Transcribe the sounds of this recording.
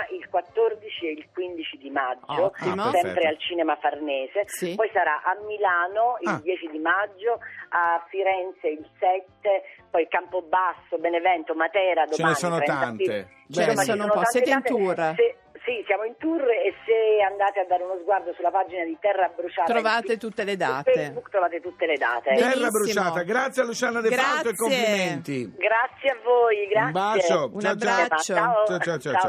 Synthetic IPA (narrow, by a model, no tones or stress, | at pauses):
ʔilkwat̪ːord̪it͡ʃieilkwind̪it͡ʃid̪imad͡ʒːosɛmppɾealt͡ʃiːnemafarnɛːsepɔjsaɾaʔamːilaːnoild̪jɛːt͡ʃid̪imad͡ʒːoafiɾɛnt̪seilsɛt̪sːepɔjkampobasːobenevɛnt̪omat̪ɛːɾad̪omanonɾɛai | isomːat͡ʃsonot̪aneant̪ese | sisjaːmoint̪uresːeand̪aːt̪ead̪ːaːɾeunozɡward̪osulapad͡ʒinad̪it̪ɛrːabɾut͡ʃaːt̪ɾoavaːt̪et̪ut̪ːeled̪a̰ːfeebukt̪ɾovaːt̪et̪ut̪ːeled̪a̰ːt̪eɛrːabːɾut͡ʃimaːt̪aɡɾat̪sːjɛalːut͡ʃanad̪efaloek̪skːomelimɛnt̪iɡɾat̪sːjeavːoːjɡɾabɾat͡ʃounabːɾaat͡ʃːoat͡ʃaat͡ʃaa